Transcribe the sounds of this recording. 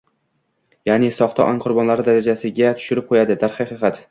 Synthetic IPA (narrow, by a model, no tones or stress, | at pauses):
janɪsɒχt̪ʰɒ̰ʔanqʰʊɾbɒnlaɾɪd̪aɾad͡ʒasɪɡʲat̪ʰʊ̥ʃɪɾɪp̚qʰojad̪ɪd̪aɾχɑχɑqɑt̪